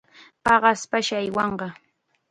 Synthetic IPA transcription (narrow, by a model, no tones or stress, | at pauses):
pɑɢɑspaʃaajwɑɴɢɑ